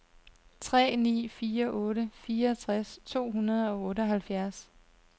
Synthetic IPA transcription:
t͡sʰʁɛ̰ːnḭːfiːɐʔɔːɾəfiːɐt͡sʰʁast͡sʰo̝̰ːɦunɐð̞̩ˠɒ̽ɔ̽ːɾəɒɦælfjæɐs

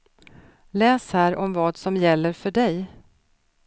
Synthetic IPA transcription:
lɛːshæːɾɔmvɑːd̪sɔmjɛlːəɾfœɖɛj

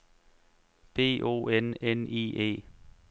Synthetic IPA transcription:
b̥e̝̰ːʔo̝̰ːenenḭːḛː

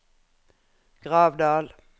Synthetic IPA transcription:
ɡ̥ʁɑːʋd̪ɑːl

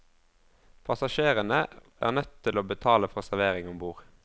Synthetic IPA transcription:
pʰɑsɑʃeːʁənəæ̰ːʁnœt̪t̪ʰːɪloːbət̪ʰɑːləfɔʁsæʁʋeːʁɪŋɔmbuːʁ

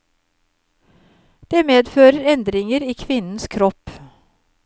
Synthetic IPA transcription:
d̪̥eːmeːd̪føːɾəɾɛnd̪ɾɪŋəɾiːkʰʋɪnn̩skʰɾɔp

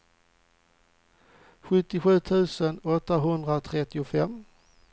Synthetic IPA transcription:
ɧɵt̪ːɪɧʉ̟ːt̪ʰʉ̟ːsənɔt̪ːaɦɵnd̪ɾat̪ʰɾɛt̪ːɪʊfɛmː

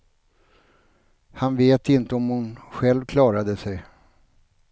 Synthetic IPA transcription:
hanveːt̪ɪnt̪əɔmhʊnɧɛlvkʰlɑːɾad̪əsɛj

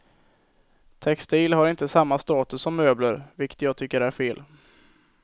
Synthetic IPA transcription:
t̪ʰɛkst̪iːlhaɾɪnt̪əsamːast̪ɑːt̪ɵsːɔmːøːbləɾvɪkːə̥t̪jɑːɡ̚t̪ʰʏkːəɖæɾfeːl

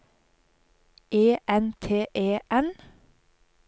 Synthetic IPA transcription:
ʔeːʔɛnt̪ʰeːʔeːʔɛn

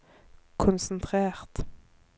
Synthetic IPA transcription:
kʰʊnsn̩t̪ʰʁeːʁt̪

